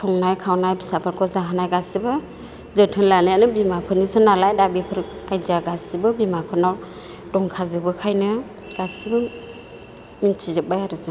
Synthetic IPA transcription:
tʰɔŋnajkʰawnajbisapʰaɾkʰɔzaɦanajɡasibɯ | zɯtʰɯnlanajanɯbimapʰɯnisɯnalajdabipʰɯɾajzaɡasibɯbimapʰɯnaw | dɔŋkʰazɯbɯkʰajnɯ | ɡ̥asibɯ | mintʰizɯk̚bajaɾɯzɯ

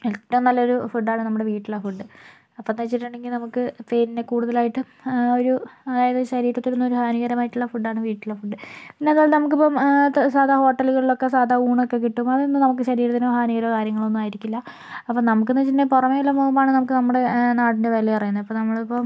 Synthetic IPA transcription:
etːɐɐmnɐlːɐoɾufuɖːaːɳɨnɐmːuɽe̞ʋiːʈːiɭːɐfuɖːɨ | ɐpːomnet͡ɕːiʈːuɳɖe̞ŋɡilnɐmukːɨpeːninekuːɽuðɐlaːjiʈːɨ | o̞ɾuɐðaːjɐðɨɕɐɾiːɾɐt̪ːilunːuoɾuhaːniɣɐɾɐmaːjiʈːuɭːɐfuɖːaːɳɨʋiːʈːiɭːɐfuɖːɨpinːe̞ɐðaːɭnɐmukːipːomsaːd̪ʱaho̞ːʈːɐluɣɐɭiɭo̞kːe̞saːd̪ʱauːɳo̞kːe̞k̬ːiʈːumɐðɨonːɨnɐmuk̬ːɨɕɐɾiːɾɐðinuhaːniɣɐɾɐkaːɾjɐŋːɐɭo̞nːumaːjiɾikʲːulːɐ | ɐpːonɐmuk̬ːenːɐt͡ɕːinːepurɐmeulːɐmoːmbaːɳɨnɐmukːɨnɐmːuɽe̞naːʈindeʋɐlːipɐrɐjunːɐðɐpːɐnɐmːɐɭipːom

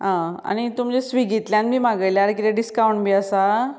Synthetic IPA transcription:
ɦãa̰ñit̪umd͡ʑesʋiɡit̪ljãnbʱiːmaɡəjljaɾkiɾeɖiskawɳbʱiːəsa

